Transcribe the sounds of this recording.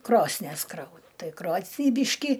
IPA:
ˈkroːsʲnʲiɛs ˈkrɐʊ ˈtɐɪ ˈkroːsʲnʲiː ˈbʲiːʃʲkʲɪ

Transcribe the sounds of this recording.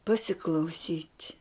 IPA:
pɐsʲɪklˠɐʊˈsʲiːtʲ

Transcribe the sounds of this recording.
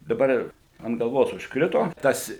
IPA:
dɐˈbɐr ɪr ɐnt ɡɐlˠˈʋoːs ʊʃkˈrʲɪtoː ˈtɐs

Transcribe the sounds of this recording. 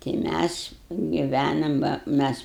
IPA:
tɐɪ ˈmʲæs ɡʲɪˈʋʲænɐm bɐ ˈmʲæs

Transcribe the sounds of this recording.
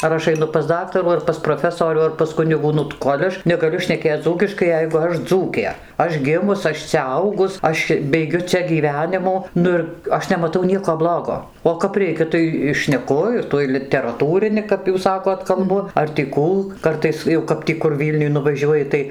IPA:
ɐr ˈɐʃ ɐɪˈnʊ pɐs ˈdɑːktɐruː ɐr pɐs proːˈfʲæːsoːrʲuː ɐr pɐs ˈkʊnʲɪɡuː ˈnʊ tɐ ˈkoːlʲ ɐʃ nʲɛɡɐˈlʲʊ ʃʲnʲɛˈkʲeːt͡s d͡zuːkʲɪʃkɐɪ ˈjɛɪɡʊ ˈɐʃ ˈd͡zuːkʲeː ˈɐʃ ˈɡʲɪmʊs ˈɐʃ t͡sʲɛ ˈɐʊɡʊs ˈɐʃ bʲɛɪˈɡʲʊ ˈt͡sʲɛ ɡʲiːˈʋʲæːnʲɪmuː ˈnʊ ɪr ˈɐʃ nʲɛmɐˈtɐʊ ˈnʲiɛkoː ˈblˠoːɡoː oː kɐp ˈrʲɛɪkʲɛ ˈtɐɪ ɪ ʃʲnʲɛˈkʊ ɪr ˈtuɔj lʲɪtʲɛrɐˈtuːrʲɪnʲɪ kɐp ˈjuːs ˈsɑːkoːt kɐlˠˈbʊ ɐr tʲiː ˈkuː ˈkɐrtɐɪs jɛʊ kɐp ˈtʲiː kʊr ˈʋʲiːlʲnʲʊj nʊʋɐˈʒʲuɔjɪ tɐɪ

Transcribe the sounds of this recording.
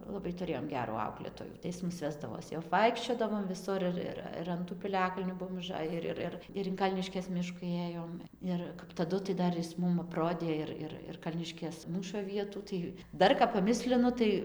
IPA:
lˠɐˈbɐɪ tʊˈrʲeːjoːm ˈɡʲæːruː ˈɐʊklʲeːtoːjuː tɐɪ ˈjɪs ˈmʊs ˈʋʲæːzdɐʋoːs jɛʊ ɐpˈʋɐɪkʃʲt͡ʃʲoːdɐʋoːm ʋʲɪˈsʊr ɪr ˈɪr ɪr ɐn ˈtuː pʲɪˈlʲæːkɐlʲnʲuː ˈbuɔm ʊˈʒɑːjɪ ˈɪr ˈɪr ˈɪr ɪr ɪn ˈkɐlʲnʲɪʃʲkʲeːs ˈmʲɪʃkʊ ˈeːjoːm ˈɪr kɐp tɐˈdʊ tɐɪ ˈdɐr jɪs ˈmʊm ɐpˈroːdʲeː ɪr ˈɪr ɪr ˈkɐlʲnʲɪʃʲkʲeːs ˈmuːʃoː ˈʋʲiɛtuː ˈtɐɪ ˈdɐr kɐp pɐˈmʲɪsʲlʲɪnʊ ˈtɐɪ

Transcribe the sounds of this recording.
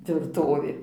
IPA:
tʲʋʲɪrˈtoːʋʲeː

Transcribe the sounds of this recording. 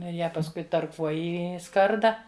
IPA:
ˈnʊ ɪr ˈjæː pɐsˈkʊɪ tɐrˈkuɔjɪ ɪ ˈskɐrdɐ

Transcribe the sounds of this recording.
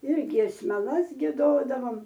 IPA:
ɪr ɡʲiɛsʲmʲɛˈlˠɐs ɡʲiɛˈdoːdɐʋoːm

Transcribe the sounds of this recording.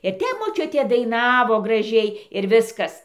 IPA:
ɪr ˈtʲɛp moːˈt͡ʃʲʊtʲeː dɐɪˈnɑːʋoː ɡrɐˈʒʲɛɪ ɪr ˈʋʲɪskɐs

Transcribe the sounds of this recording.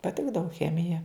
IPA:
pɐˈtʲɪɡdɐʋʊ ˈxʲæːmʲɪjɛ

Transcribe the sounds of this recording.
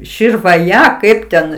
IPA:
ʃʲɪrʋɐˈjɛ ˈkɐɪp tʲɛn

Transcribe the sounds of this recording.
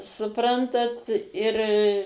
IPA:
sʊˈprɐntɐt ɪr

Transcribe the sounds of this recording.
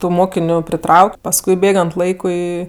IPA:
tʊ ˈmoːkʲɪnʲʊ pʲrʲɪˈtrɐʊkʲ pɐsˈkʊɪ ˈbʲeːɡɐnt ˈlˠɐɪkʊɪ

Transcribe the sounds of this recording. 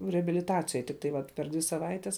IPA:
rʲɛɐbʲɪlʲɪˈtɑːt͡sʲɪjoːj tʲɪk tɐɪ ˈʋɐt pʲɛr ˈdʲʋʲɪ sɐˈʋɐɪtʲɛs

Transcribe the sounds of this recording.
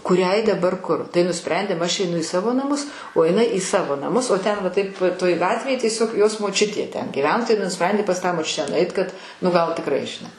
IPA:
kʊˈrʲɛɪ dɐˈbɐr ˈkʊr tɐɪ nʊˈsʲpʲrʲɛnʲdʲeːm ˈɐʃ ɛɪˈnʊ ɪ ˈsɑːʋoː nɐˈmʊs oː jɪˈnɐɪ iː ˈsɑːʋoː nɐˈmʊs oː ˈtʲɛn ʋɐ ˈtɐɪp toːj ˈɡɑːtʲʋʲeːj tʲiɛˈsʲoːk ˈjoːs moːˈt͡ʃʲʊtʲeː ˈtʲɛn ɡʲɪˈʋʲæːnoː tɐɪ nʊˈsʲpʲrʲɛnʲdʲeː pɐs ˈtɑː moːˈt͡ʃʲʊtʲæː nʊˈɐɪt kɐt nʊ ˈɡɐlˠ tʲɪkˈrɐɪ ʒʲɪˈnɐɪ

